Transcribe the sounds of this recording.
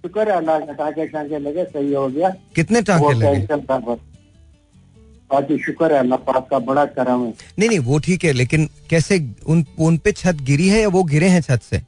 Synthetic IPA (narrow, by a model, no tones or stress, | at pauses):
ʃʊkəɾɛlːaʈãːkeʈãːkelɐɡesɐɦiɦoɡɐjaːkɪt̪neʈãːkoelɐeesənt̪abəɾ | aːkiʃʊkəɾɛlːapaːp̚kabɐɽakɐɾəmɛ̃nɐɦinĩʋoʈʰiːkɦɛleːkɪnkɛːseʊnʊnpet͡ʃʰɐt̪ɡɪɾiɦɛjaʋoɡɪɾẽɦɛ̃t͡ʃʰɐt̪sḛː